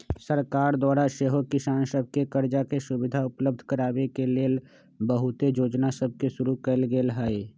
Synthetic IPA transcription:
səɾkaːɾd̪waːɾaʃeːɦokɪsaːnsəb̚ʱkekəɾd͡ʒakesʊbɪd̪ʱaʊpləb̚d̪ʱkəɾaːwekeleːl | bəɦʊt̪ed͡ʒoːd͡ʒnasəb̚ʱkeʃʊɾukəlɡeːlɦɛe

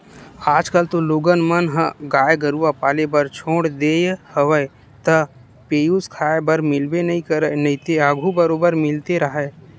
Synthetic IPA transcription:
aːd͡ʒkəlt̪oloːɡənmənɦəɡaːjɡəɾuʋapaːlebəɾt͡ʃʰoːɽd̪eːjhəʋəe | t̪ə | peːjuskʰaːebəɾmɪlbenɐɦĩkəɾənɐĩt̪eaɡʱubəɾoːbəɾmɪlt̪eɾɐɦə

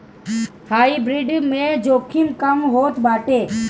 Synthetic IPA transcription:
haːibɾiːɖmẽːd͡ʒoːkʰɪlkəmɦoːt̪baːʈeː

